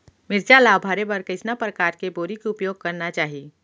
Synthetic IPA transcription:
mɪɾd͡ʒalaːbʱaːɾebəɾkət͡ʃnapɾəkaːɾkeboːɾikeʊpjoːɡ̚kɐɾnat͡ʃaːɦi

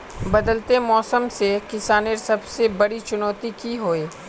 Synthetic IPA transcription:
bɐd̪əlt̪emɔːsəmsekɪsaːneɾsɐbsebɐɽit͡ʃʊnɔːt̪ikiɦoːeː

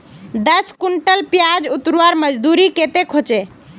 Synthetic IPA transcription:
d̪əskuɳʈəlpjad͡ʒut̪ɾuaɾməd͡ʒd̪uɾiket̪ekʰot͡ʃe

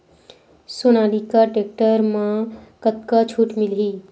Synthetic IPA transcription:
sonaːlikaʈek̚ʈəɾmãkət̪̚kat͡ʃʰuːʈmilɦiː

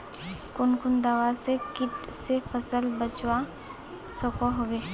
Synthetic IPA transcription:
kʊnkʊnd̪aːʋasekɪʈsepʰəsəlbət͡ʃwa | sɔːkoɦoɡeː

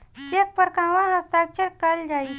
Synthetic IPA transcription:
t͡ʃek̚pəɾkãʋãɦəst̪ak̚t͡ʃəɽkəld͡ʒai

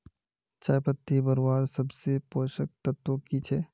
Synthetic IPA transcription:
t͡ʃaːjpət̪ːibɐɾwaːɾsɐbsepoːʃək̚t̪ɐt̪wokit͡ʃʰɛː

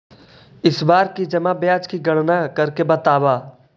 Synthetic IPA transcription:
ɪsbaːɾkid͡ʒɐmabjaːd͡ʒkiɡɐɽ̃nakɐɾkebɐt̪aːbaː

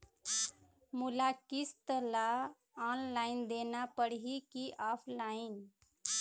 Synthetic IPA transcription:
mulakist̪əla | ɔnlaind̪enapəɽɦikiʔapʰlain

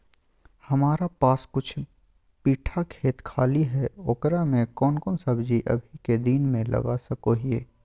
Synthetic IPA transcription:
hɐmaːɾapaːskʊt͡ʃʰ | piːʈʰakʰeːt̪kʰaːliɦɛoːkɾamẽkɔːnkɔːnsɐbd͡ʒiʔɐ̰bʱiked̪iːnmẽlɐ̰ɡasɐkoɦieː

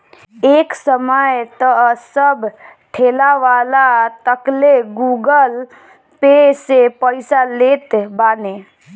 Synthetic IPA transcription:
eːksəməjt̪əsəbʈʰelaʋalat̪əkleɡuɡəl | pesepəɪsalet̪baːne

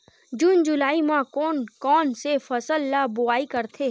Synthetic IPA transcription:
d͡ʒuːnd͡ʒʊlaːimãkɔːnkɔːnsefɐsəlːabʊaːikɐɾt̪ʰeː

